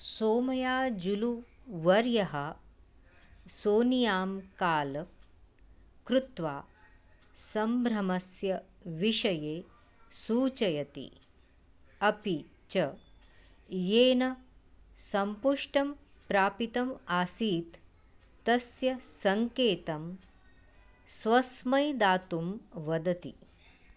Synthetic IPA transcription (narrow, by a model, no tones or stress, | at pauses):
soːmɐjaːd͡ʒulu | ʋɐɾjɐɦɐ | soːnijaːmkaːl | kɾut̪ʋaː | sɐmbʱɾɐmɐsjɐ | ʋiʃɐjeː | suːt͡ʃɐjɐt̪ḭ | ɐpi | t͡ʃɐ | jeːnɐ | sɐmpuʂʈɐm | pɾaːpit̪ɐmaːsiːt̪ː | ɐsjɐsɐŋkeːt̪ɐm | sʋɐsmɐjd̪aːt̪umʋɐd̪ɐt̪ḭ